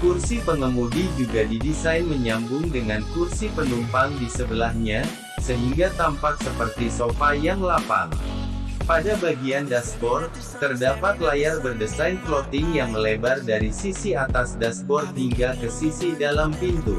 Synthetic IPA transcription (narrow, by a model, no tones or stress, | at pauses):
kursipəŋəmudid͡ʒuɡadidisajnməɲambʊŋdəŋankursipənumpaŋdisəbəlahɲa | səɦiŋɡat̪ampak̚səpərt̪isopajaŋlapa̰ŋ | padabaɡiandaspɔr | t̪ərdapat̪lajarbərdəsajnplɔt̪ɪŋjaŋməlebardaɾisisiat̪asdaspɔrɦiŋɡakəsisidalampint̪ṵ